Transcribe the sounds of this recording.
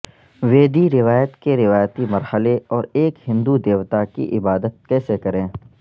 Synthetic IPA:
ʋeːd̪iɾɪʋaːjət̪keɾɪʋaːjt̪imɐɾhəleɔːɾeːkhɪ̃nd̪ud̪eːʋt̪akḭʔɪbaːd̪ət̪̚kɛːsekɐɾẽː

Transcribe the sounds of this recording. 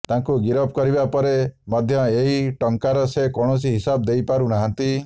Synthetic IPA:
t̪ãŋkuɡiɾɔp̚kɔɾibapɔɾemɔd̪ʱjɔeɦiʈɔŋkaɾɔsekɔɽ̃ɔs̬iɦisabd̪ejpaɾunaɦɔ̃nt̪i

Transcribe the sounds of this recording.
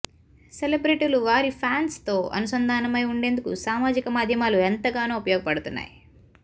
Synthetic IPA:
selebɾiʈiluʋaːɾipʰaːnst̪o̞ːɐ̰nusɐnd̪ʱaːnɐmɐjuɳɖe̞ːnd̪ukṵsaːmaːd͡ʒikɐmaːd̪ʱjɐmaːluent̪ɐɡaːnoːupɐjɔːɡɐpɐɽut̪unːa̰ːji

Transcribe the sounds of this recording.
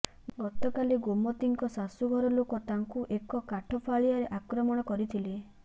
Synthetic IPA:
ɡɔt̪ɔkaliɡomɔt̪iŋkɔsasuɡʱɔɾɔlokɔt̪aŋkuʔekɔkaʈʰɔpʰaɭijaɾeʔakɾɔmɔɽ̃ɔkɔɾit̪ʰile

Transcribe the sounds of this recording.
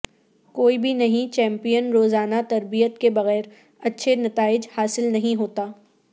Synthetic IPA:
koːibʱinɐɦĩt͡ʃɛ̃ːmpijənɾoːzaːnat̪ɐɾbijət̪kebɐɣɛːɾ | ɐtːʃʰenɐt̪aːɪd͡ʒhaːsɪlnɐɦĩɦoːt̪aː

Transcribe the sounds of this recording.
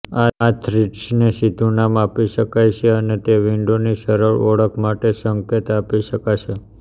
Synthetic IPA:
aat̪ʰɾiʈsnesid̪ʱunamapiʃəkajt͡ʃʰeənet̪eʋiɳɖoniʃəɾəɭɔɽəkʰmaʈesəŋket̪apiʃəkaʃʰe

